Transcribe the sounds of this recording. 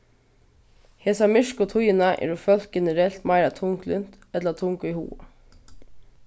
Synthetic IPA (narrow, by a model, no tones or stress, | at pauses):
heːsɑmʏʃkʊt̪ʰʊjənɑʔḛːɾuːfœlt̪̚ɡɛnəɾɛlt̪mæɪɾɑt̪ʰʊŋklʏnt̪ | ɛt̪ləɑt̪ʰʊŋkʊiːhṵːə